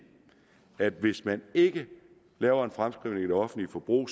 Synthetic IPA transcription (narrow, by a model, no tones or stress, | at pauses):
æd̥ʋe̝smæne̝ɡ̥ə | lɛːʊɐe̝nfʁamsɡ̥ʁiʊneŋiɾ̥ɒ̽fn̩dlifɒ̽b̥ʁṵː